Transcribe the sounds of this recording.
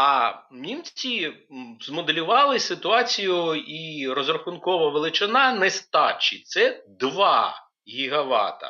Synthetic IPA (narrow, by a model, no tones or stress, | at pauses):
ɐnʲimt͡sʲizmɔd̪elʲʊʋɑlˠɪsɪt̪ʊɑt͡sʲijʊirɔzrɐxʊnkɔʋɐʋelˠɪt͡ʃɪnɑnɛst̪ɑt͡ʃːit̪sɛd̪ʋɑ | ɣʲiɦɐʋɑ̰t̪ɐ̰